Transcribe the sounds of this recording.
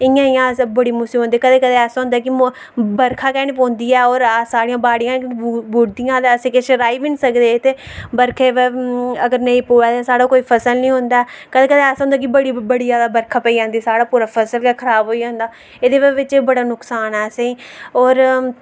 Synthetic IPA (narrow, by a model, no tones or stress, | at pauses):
ɪjãːijãːbəɽiːmʊsiɦõːnd̪iːkəd̪eːkəd̪ẽɛːsõːnd̪aːkɪ | bəɾkʰaːkɛːnepɔ̃ːnd̪iːɛːɔːɾsaːɽijãːbaːɽɪjãːbuːɽd̪ijãːd̪eːəsẽːkeʃəɾaːiːʋɪnsəkd̪eːt̪eː | bəɾkʰeːʋeəɡəɾnəĩːpoːaːt̪esaːɽaːkoːiːpʰəsəlnəĩːɦʊ̃nd̪aːɛkəd̪eːkəd̪eːɛːsõnd̪aːk̬ɪbəɽibəɽiːd͡ʒaːd̪aːbəɾkʰaːpəiːd͡ʒãːnd̪iːsaːɽaːpuːɾaːpʰəsəlkɛkʰəɾaːbɦoːiːd͡ʒãːnd̪aː | eːd̪eːʋʋɪt͡ʃːbəɽaːnʊksaːnɛːseiːɔːɾ